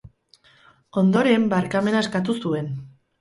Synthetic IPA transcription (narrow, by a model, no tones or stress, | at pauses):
o̞nd̪o̞ɾe̞mbaɾkame̞nae̞skat̪̬usue̞n